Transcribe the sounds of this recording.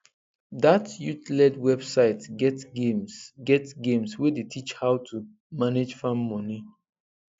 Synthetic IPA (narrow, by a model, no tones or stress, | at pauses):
datjutlɛdwɛbsaɪtɡɛtɡemsɡɛtɡẽmswedetʰit͡ʃhawtʰu | maned͡ʒfãmːɔni